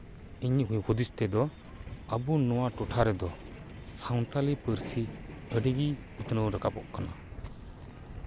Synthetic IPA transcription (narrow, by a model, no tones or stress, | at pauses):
iɲiɦujhud̪ist̪ɛd̪ɔ | abunɔwaʈɔʈʰaɾɛd̪ɔ | sawnt̪alipəɾsiəɖiɡi | ut̪nəwɾəkapɔʔkana̰